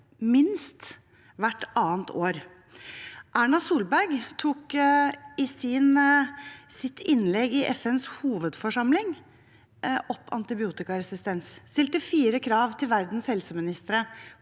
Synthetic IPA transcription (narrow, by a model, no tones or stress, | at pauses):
mɪnst̪ | ʋæʈːʔɑːənt̪ʰoːɾ | ʔæːɳɑsuːlbæɾɡt̪ʰuːk | ɪsɪn | sɪt̪ʰːɪnlɛɡɪʔɛfɛnshuːʋəd̪fɔʂɑmlɪŋ | ʔɔpːɑ̰nt̪ɪbɪuːt̪ɪkɑɾɛsɪst̪ɛnsst̪ɪlt̪əfiːɾəkʰɾɑːʋt̪ʰɪlʋæɾd̪n̩shɛlsəmɪnɪst̪əɾə